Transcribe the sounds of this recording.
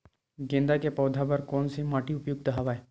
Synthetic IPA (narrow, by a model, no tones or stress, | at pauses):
ɡẽːnd̪akepɔːd̪ʱabɐɾkɔːnsimaːʈiʊpjuɡ̚d̪ɐɦaʋaːe